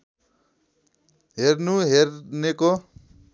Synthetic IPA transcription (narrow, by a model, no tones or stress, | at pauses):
ɦernuɦerneko